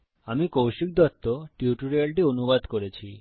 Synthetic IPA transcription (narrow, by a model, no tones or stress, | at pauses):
amikowʃik̚d̪ɔt̪ːoʈuʈuɾialʈionubad̪koɾet͡ɕʰi